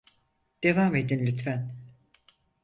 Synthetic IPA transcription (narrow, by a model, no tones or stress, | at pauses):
d̪̥e̞vaːmed̪inlʲyt̪fæn